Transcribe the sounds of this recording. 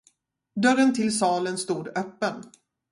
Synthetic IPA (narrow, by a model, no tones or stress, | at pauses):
d̪œɾənt̪ʰɪlsɑːlənst̪uːd̪œpːən